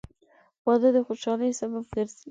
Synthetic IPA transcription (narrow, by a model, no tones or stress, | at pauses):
wɑd̪ad̪əxoʃɑləjsababɡəɾzi